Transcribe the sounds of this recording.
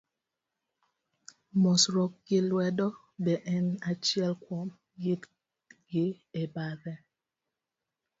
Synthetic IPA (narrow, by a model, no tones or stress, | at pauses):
mɔsɾɔk̚ɡɪlwɛdɔ | bɛʔɛnat͡ʃjɛlkwɔm | jit | ɡɪ | ebaðɛ